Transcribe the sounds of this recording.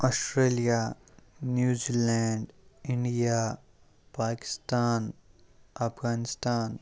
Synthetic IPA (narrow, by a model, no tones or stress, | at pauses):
ɔːsʈɾeːlijanjuːziːlɛ̃ːɳɖɪ̃ɳɖija | paːkɪ̥st̪aːn | ɐpʰɡaːnɪst̪aːn